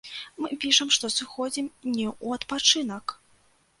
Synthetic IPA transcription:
mɨpʲiʂɐmʂt̪ɔsɨxɔd͡zʲimnʲɛʔuɐt̪pat͡ʂɨnɐk

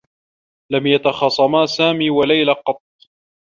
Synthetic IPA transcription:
lamjat̪ɑxɑsˤɑmaːsaːmiːwalajlaqɑt̪̚ˤː

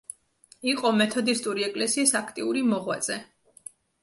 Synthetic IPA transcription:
iqʼɔmɛt̪ʰɔd̪ist̪ʼuɾiɛkʼlɛsiːsakʰt̪ʼiuɾimɔʁwa̰t̪z̥ʼɛ

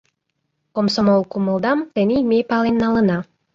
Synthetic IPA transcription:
komsomolˠkuməlˠd̪ɑmt̪ənʲimepɑlenːɑlə̆nɑ

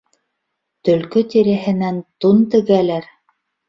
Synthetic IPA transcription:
t̪ɵ̆lkɵt̪iɾɘ̆ɦɘ̆nænt̪unt̪ɘ̆ɡælæɾ

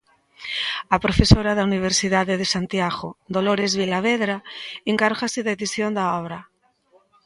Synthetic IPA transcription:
apɾofesoɾaðauniβ̞eɾsiðaðeðesant̪jaɣod̪oloɾezβilaβeðɾaeŋkaɾɣaseðeðisjond̪aɔβɾa

